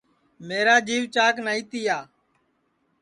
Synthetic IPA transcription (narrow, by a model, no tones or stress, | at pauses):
meːɾaːd͡ʒiːʋt͡ʃaːknaːiːt̪iːjaː